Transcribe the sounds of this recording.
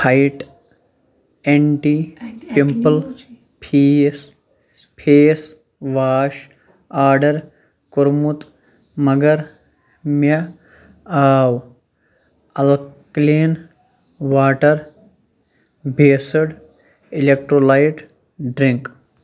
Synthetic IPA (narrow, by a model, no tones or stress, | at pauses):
haiʈ | eɳʈipimpəl | pʰiːs | pʰeːs | ʋaːʃ | aːɾɖɐɾ | kʊɾmut̪ | mɐɡɐɾ | mɐ | aːw | ɐlkleːn | ʋaːʈɐɾ | bʱeːsɐɽ | ilek̚ʈɾoːlajʈ | ɖɾiŋk